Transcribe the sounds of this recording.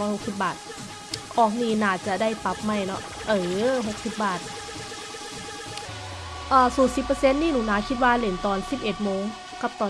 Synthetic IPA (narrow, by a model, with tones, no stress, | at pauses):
ɔː˧˦jho˧k̚si˨˧˦p̚baː˨˩t̪̚ | ʔɔː˧˩k̚niː˧˩naː˧˩t͡ɕa˧˦da˥˩jpa˧˦p̚ma˧˥˩jnɔ̰˧˥ʔ | ʔɤː˧˩ɦo˧˦k̚si˧˦p̚baː˨˩t̪̚ | ʔɤː˧˩suː˨˩˦nsi˧˦pːɤ˧se˧˥˨nːiː˧˩˨nuː˨˩˦naː˧˦kʰi˧˦t̪̚waː˧le˨˩˦nt̪ɔː˨˩nsi˨˦p̚ʔe˨˩t̪̚moː˧˨ŋ | ka˧˦p̚t̪ɔː˨